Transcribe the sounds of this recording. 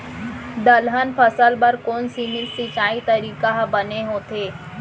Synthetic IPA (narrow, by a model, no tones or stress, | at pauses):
d̪əlɦanfəsəlbəɾkonsinilsit͡ɕait̪əɾikaɦabəneɦot̪e